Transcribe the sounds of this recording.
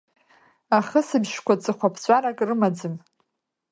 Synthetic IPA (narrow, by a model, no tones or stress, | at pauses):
aχəsɨbʒkʷat͡sʼɨχʷapʰt͡ɕʷʼaɾakʼrɨmad͡zɨm